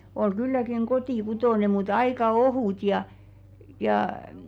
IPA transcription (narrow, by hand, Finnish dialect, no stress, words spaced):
ol kylːækiŋ kotiˑkutoˑne mut ɑikɑ ohuˑt jɑ jɑː m̩ː